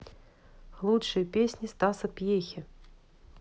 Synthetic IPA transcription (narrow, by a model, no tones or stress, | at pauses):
lˠutʂɨjɐpʲesʲnʲist̪asɐpʲjexʲɪ